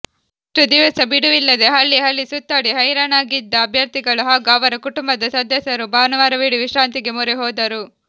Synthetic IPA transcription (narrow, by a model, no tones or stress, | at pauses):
ʈɾud̪iʋɐsɐbiɽuʋilːɐd̪e̞ɦɐlːiɦɐlːisut̪ːaɽiɦɐjɾɐnaːɡid̪ːɐːbʱjɐɾt̪iɡɐɭuɦaːɡaːʋɐɾɐkuʈumbɐd̪ɐsɐd̪ʱjɐsɐɾubaːnɐʋaːɾɐʋiːɽiʋiʃɾaːnt̪iɡemuɾeɦɔːd̪ɐɾu